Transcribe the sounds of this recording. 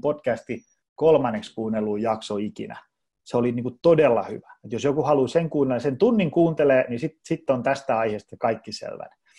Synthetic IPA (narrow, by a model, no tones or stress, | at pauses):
potkæst̪i | kolmɑnːekskuːnelːuːjɑksoikḭnæ̰ | seoliniːŋkut̪odelːɑ̰hy̰ʋæet̪josjokuhɑluseŋkuːnelesent̪unːiŋkuːnt̪eleːnisit̪sit̪ːont̪æst̪æɑiheːst̪ɑkɑikːisḛlʋæ̰n